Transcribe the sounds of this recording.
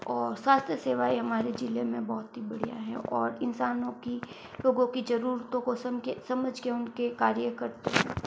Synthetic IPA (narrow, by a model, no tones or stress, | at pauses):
ɔːɾswaːst̪ʰjəseːʋaːiɦɐmaːɾed͡ʒɪlemẽbɔɦʊt̪ɦibɐɽ̤ija̰ɦɛ̰̃ʔɔːɾɪnsaːnõki | loːɡõkid͡ʒɐɾuːɾt̪õkosɐmkesɐməd͡ʒʱkeʊnkekaːɾjəkɐɾt̪eɦɛ̰̃ː